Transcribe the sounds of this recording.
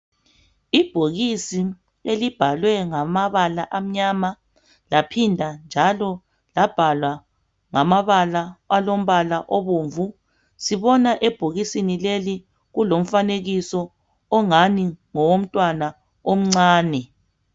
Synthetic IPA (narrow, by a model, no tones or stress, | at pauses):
ib̥ʱoɣisi | elib̥ʱalwɛŋamaβalaʔam̩ɲama | lapʰindʱand͡ʒʱalɔ | lab̥ʱalwa | ŋamaβalaalom̩βalaʔɔβoɱvu | siβɔnaʔɛb̥ʱoɣisinileli | ɣulom̩faneɣisɔː | ŋaniŋɔwom̩tʼwana | om̩ŋ͡ǀaːnɛ